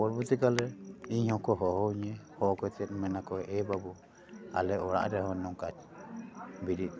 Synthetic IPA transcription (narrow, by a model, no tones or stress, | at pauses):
ɔɾbut̪ikalɛiɲhɔ̃kɔɦɔhɔiɲɛhɔkɔt͡ʃɛɾmɛnakɔʔɛbabu | a̰lɛɔɾa̰ʔɾɛhɔnɔŋkat͡ʃ | biɾi